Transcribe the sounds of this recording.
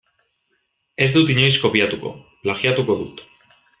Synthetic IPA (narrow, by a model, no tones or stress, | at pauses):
ezd̪ut̪iɲojskopjat̪uko̰plaxjat̪ukoðṵt̪